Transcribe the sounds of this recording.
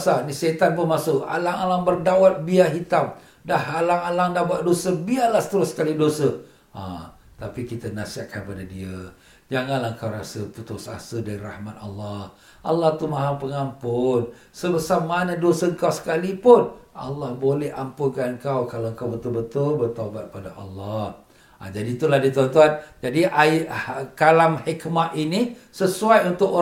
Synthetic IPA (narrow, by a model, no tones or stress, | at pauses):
saniset̪anpunmasʊʔa̰laŋalaŋbərdawat̪̚biaɦit̪am̚ | dahalaŋalaŋdabaʔdosəbialahsə̥t̪əɾʊsːə̥kalidosə | a̰ | t̪apikit̪ənasiaʔkanpadadiə | d͡ʒaŋanlahəŋkawɾasəput̪ʊsa̰sədaɾirahmat̪alːah | ʔa̰lːaht̪umaɦampəŋampʊn | sələsamanadosəəŋkawsə̥kalipʊna̰lːɑhbolɛhampʊnkanŋkawkalaəŋkawbət̪ʊlbət̪ʊlbərt̪abat̪̚padaʔalːah | a̰d͡ʒadit̪ulahdit̪ant̪uand͡ʒadiʔa | kalamhikmaʔ̪inisəsuajunt̪ʊk